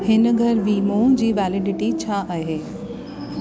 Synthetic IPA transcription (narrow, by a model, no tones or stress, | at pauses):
hɪnə̆ɡʱɐɾbiːmõːd͡ʑiːʋɛːlɪɖɪʈit͡ɕʰaʔaɦeː